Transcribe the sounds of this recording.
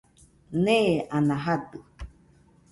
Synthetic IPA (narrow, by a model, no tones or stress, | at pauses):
nẽanãɦad̪ɯ